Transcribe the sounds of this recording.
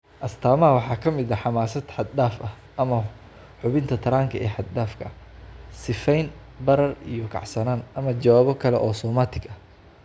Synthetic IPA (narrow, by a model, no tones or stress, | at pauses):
ʔɐst̪ʰaːmɐwɑħɑːkʰɐmɪd̪ɐħɑmaːsɐd̪ħɑd̪daːfɐh | ʔɐmɐ | ħʊβɪnt̪ʰɐt̪ʰɐɾaːŋkʰɐɛːħɑd̪̚d̪aːfkʰɐ̰sɪfɛjn | bɐɾɐrḭjɔkʰɑ̰ʕsɐnaːnʔɐmɐt͡ʃɐwaːβɔkʰɐlɛ̰ʔɔːsɔːmaːt̪ʰɪɡɐh